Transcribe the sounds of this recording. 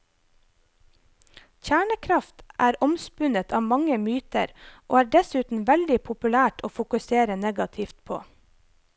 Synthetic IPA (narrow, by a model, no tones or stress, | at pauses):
çæːɳəkʰɾɑft̪ʔæːɾɔmspʉnət̪ʰɑːmɑŋəmyːt̪ə̰ɾʔo̰ːæːɖɛsʉːt̪n̩ʋɛld̪ɪpʰʊpʉlæːʈʰoːfʊkʉseːɾənɛɡɑt̪ʰɪft̪̚pʰo̰ː